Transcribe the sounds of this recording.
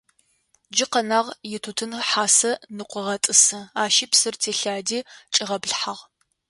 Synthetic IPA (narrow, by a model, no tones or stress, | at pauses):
d͡ʒɪqɐnaːʁjɪtʰutʰɨnħaːsɐnɨqʷɔʁɐtʼɨsɐaːʃiːpsɨrtʰeːɬaːdiːt͡ʃʼɪʁɐbɮħaʁ